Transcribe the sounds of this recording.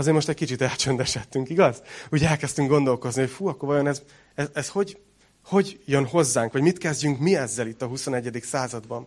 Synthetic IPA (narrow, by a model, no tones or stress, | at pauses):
ɒzeːrmo̞ʃt̪ɛckit͡ʃit̪ɛlt͡ʃønd̪ɛʃɛt̪ːyŋkiɡɒzuːɟɛlkɛst̪yŋɡo̞nd̪o̞lko̞zniho̞cfuːɒkːorvɒjo̞nɛz | ɛzɛsho̞ɟ | ho̞ɟjønho̞zːaːŋkʋɒɟmit̪kɛzɟyŋkmiɛzːɛlit̪ːɒɦuso̞nɛɟːɛd̪iksaːzɒd̪bɒn